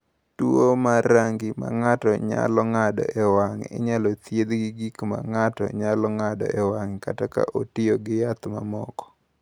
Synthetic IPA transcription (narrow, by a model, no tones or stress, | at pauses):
tuomaɾaŋɡɪma̰ŋatɔɲa̰lɔŋadɔ̰ʔɛwaŋɪ̰ɲalɔt̪jed̪ɡiɡikma̰ŋatɔ̰ɲalɔŋadɔ̰ʔɛwaŋkataka̰ʔotɪoɡɪjat̪mamɔ̰kɔ̥